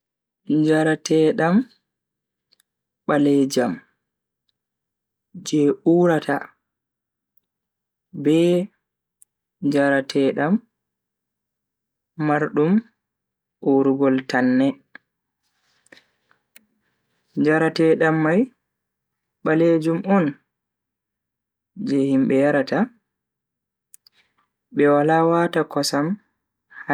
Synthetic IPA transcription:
d͡ʒaɾatʰɛɗam | ɓalɛd͡ʒam | d͡ʒɛʔuːɾata | bɛ | d͡ʒaɾatʰɛːɗam | aɾɗum | ʔuɾuɡɔltanːɛ | d͡ʒaɾatɛɗamːaj | ɓaled͡ʒumʔɔn | d͡ʒɛhimɓɛjaɾata | ɓɛwalawatakɔsam | ha

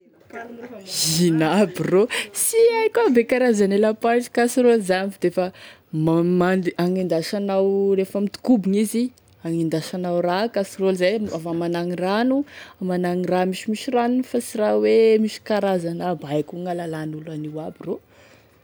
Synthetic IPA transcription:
zʒinabirosiajkabekaɾazanelapaiʈ͡ʂi̥kasɾolzamifd̪efə | mamaaŋind̪aʃanawrefəmit̪u̥kubiŋizi | aŋind̪aʃanawrakasirolzajavamanaŋiranuamanaŋiramiʃimiʃiranufasirawemiʃi̥kaɾazanabajkuŋalalanulaniwabiro

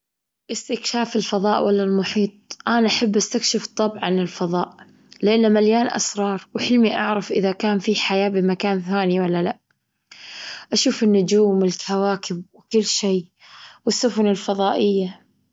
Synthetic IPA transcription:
ʔɪst̪ɪkʃaːfɪlfɑðˤɑːʔwʔalːalmʊħiːt̪̚ˤʔanaʔaħabːʔast̪akʃɪft̪ˤːɑbʕʕanɪlfɑðˤɑːʔ | lɪʔanːamaljaːnʔa̰sɾˤɑːɾˤwħɪlmiʔa̰ʕɾˤɑfʔɪðakaːnfiħajaːbɪmakaːnθaːniwalːalaʔ | ʔaʃuːfɪnːʊd͡ʒuːmɪlkawaːkɪbwɪkɪlːʃeː | wɪsːʊfʊnɪlfɑðˤɑːʔɪjːa

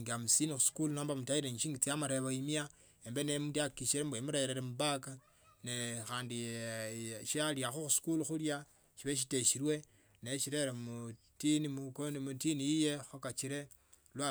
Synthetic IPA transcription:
ŋɡamusinixusu̥kulunoːmbamutaiɾeŋiʃiːŋɡit͡sijamaɾeβoimia | embenemutjakiʃiɾembwemuɾejeɾeɾemubaka | nexaːndi | ʃaljaxuxusu̥kuluxulja | ʃiβeʃ̬iteʃiɾwe̞ | neʃiɾeɾemu | tinimukonmutinijijexokat͡ʃiɾe | lwa

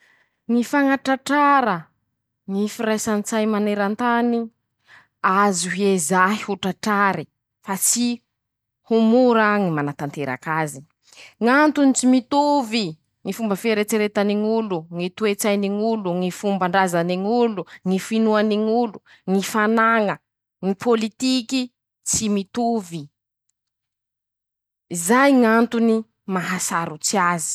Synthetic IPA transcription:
ŋifaŋaʈ͡ʂaʈ͡ʂaɾə | ŋifiɾajsanit͡sajmaneɾant̪ani | azuɦezaɦihuʈ͡ʂaʈ͡ʂaɾi | fat͡si | humuɾaŋimanat̪ant̪eɾa̰kazi̥ | ŋant̪unit͡simit̪uvi | ŋifumbəfeɾet͡seɾet̪aniŋuluŋit̪uet͡sajniŋuluŋifumbaɳɖ͡ʐazaniŋuluŋifinuaniŋulu | ŋifanaŋə | ŋipʰolit̪iki | t͡simit̪uvi | izajŋant̪uni | maɦasaɾut͡siazi̥

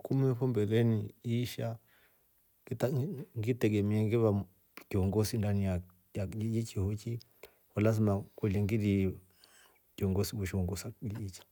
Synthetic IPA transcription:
kumiɛɸɔmbɛlɛniiʃa | itŋɡitɛɡɛmiɛŋɡiβa | kiɔŋɡɔsindanija | ad͡ʒid͡ʒit͡ʃihɔt͡ʃi | walazimakwɛliŋɡiɾi | kiɔŋɡɔsiɓuʃiɔŋɡɔsailit͡ʃi̥

